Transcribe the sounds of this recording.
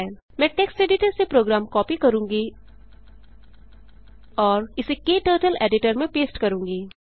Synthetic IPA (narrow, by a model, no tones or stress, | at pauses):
l | mɛ̃ːʈeːksʈeːɖɪʈəɾsepɾoːɡɾaːmkɔːpikɐɾũːŋɡi | ɔːɾɪsekeːʈəːɾʈəleːɖɪʈəɾmẽpeːsʈkɐɾũːŋɡiː